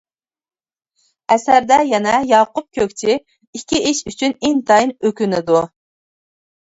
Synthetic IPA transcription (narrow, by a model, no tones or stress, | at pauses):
ɛsæɾd̪ɛjɛnɛjɑːqʊp̚kʲʰøkʲt͡ʃʰi | ikʲʰːiʔiʃyt͡ʃʰynɪnt̪ʰɑjinøkʲynɪd̪u